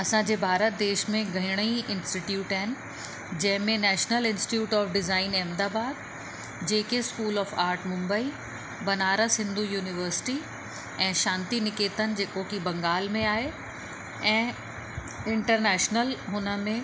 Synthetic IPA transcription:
ɐsãd͡ʑeːbʱaːɾət̪̚d̪eːʃmẽɡʱɐɪɽ̃iɪ̃nsʈɪʈjuːʈaɦɪnɪ̆ | d͡ʑɐ̃ɦɪ̃mẽnɛːʃnəlɪ̃nsʈijuːʈɔːfɖɪzaːɪneːmd̪aːbaːd̪̚ | d͡ʑeːkeskuːlɔːfaːɾʈmʊ̃mbəi | bɐnaːɾəsɪ̃nd̪ʱujuːnɪʋəɾsɪ̥ʈi | ɛ̃ːʃãːnt̪inɪkeːt̪ənɪ̆d͡ʑeːkokibɐ̃ŋɡaːlmẽaːɦe | ɛ̃ː | ɪ̃ɳʈəɾnɛːʃnəlɦʊnəmẽ

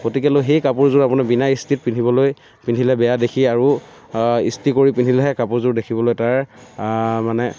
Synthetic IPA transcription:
ɡotikɛlojxejkapʊɹzʊɹapʊnabinaistit̚pinʰʱibɔloj | pindʰʱilɛbɛjadekʰiaɹu | ḭstikoɹipinʰʱilɛɦɛkapʊɹzʊɹdekʰibɔlojtaɹ | manɛ

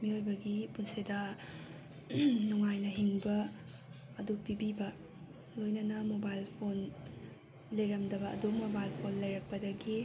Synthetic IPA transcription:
miojbɐɡipunsidɐ | nuŋajnɐɦiŋbɐ | ɐdupːibibɐ | lojnɐnɐmobajlpʰon | lejɾɐmdɐbɐʔːdumobajlpʰonlɐjɾɐk̚pɐdɐɡi

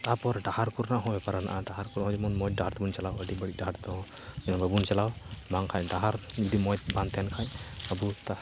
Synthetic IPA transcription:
t̪apɔɾɖahaɾkuɾnaɦɔ̃bɛpaɾana̰ʔaɖaɦaɾkuɾnaɦɔ̃d͡ʒɛmɔnmɔj̚ɖaɦaɾt̪əbunt͡ʃalawəɖibəɽiɖaɦaɾt̪ɔɦɔ̃ | d͡ʒɛnabəbunt͡ʃalawbaŋkʰajɖaɦaɾd͡ʒɔd̪imɔjt̪̚bãnt̪ɛnkʰãjəbut̪a

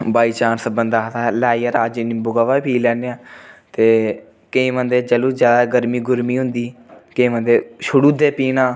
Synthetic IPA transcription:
baːiːt͡ʃaːnsəbənd̪aːt̪aːlaːiːaɾaːd͡ʒɪnibʊɡaʋaːpʰiːlɛːneːãːt̪eː | kəĩːmə̃nd̪eːd͡ʒəluːd͡ʒjaːd̪aːɡəɾmiːɡʊɾmiːɦʊ̃nd̪iːkəĩːmə̃nd̪eːʃʊɽuːd̪eːpiːnãː

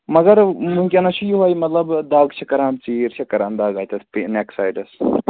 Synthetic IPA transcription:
mɐɡɐɾmũkʲenɐt͡ʃʰujiɦaːjimɐt̪lɐbd̪aːɡt͡ʃʰɐkɐɾãːmt͡siːɾt͡ʃʰɐkɐɾaːnd̪aːɡaːt̪ɐsʰpineksaːjɖɐs

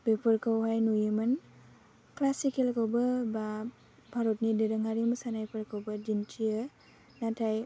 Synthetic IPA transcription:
bepʰɯɾkʰawɦajnujimɯn | klasikelkawbɐba | bʱaɾɔt̚nidɯɾɯŋaɾimɯsanajpʰɯɾkʰawbɐd͡ʒintʰiə | natʰaj

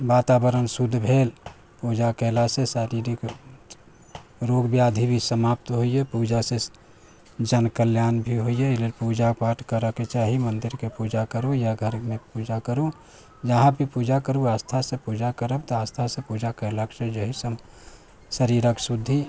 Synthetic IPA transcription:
baːt̪aːbəɾənsud̪ʱbʱeːl | puːd͡ʒakɛlasesəɾiɾik | ɾoːɡbjaːd̪ʱibʱisəmaːp̚t̪ɦoiepuːd͡ʒase | d͡ʒənkəljaːnbʱiɦoieeleːlpuːd͡ʒapaʈʰkəɾəket͡ʃaːɦimə̃nd̪ɪɾkepuːd͡ʒakəɾojaɡʱəɾmẽpud͡ʒakəɾu | d͡ʒəɦãbʱipuːd͡ʒakəɾuaːst̪ʰasepuːd͡ʒakəɾəb̚t̪oaːst̪ʰasepuːd͡ʒakɛɦlaksed͡ʒəɦisəm | səɾiɾaksud̪ʱːi

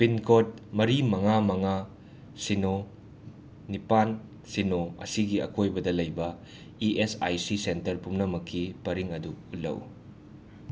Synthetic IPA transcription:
pinkʰot̚mɐɾimɐŋamɐŋa | sino | nipan | sinoɐ̰siɡiɐ̰kʰojbɐdɐlɐjbɐ | iʔesajsisentɐɾpumnɐmɐkʰːipɐɾiŋɐduutlːɐ̰w

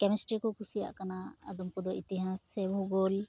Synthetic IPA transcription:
kɛmɛsʈɾikɔkusija̰ʔkanaːd̪ɔmkɔd̪ɔʔit̪ɛɦãsɛbʱuɡɔl

